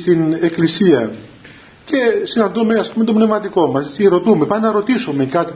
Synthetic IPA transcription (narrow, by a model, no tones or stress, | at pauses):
st̪ine̞klisiɐ | ce̞sinɐnd̪umeɐspumet̪obne̞vmɐt̪iko̞mɐst̪iɾo̞t̪ume̞pɐnɐɾo̞t̪isome̞kɐt̪i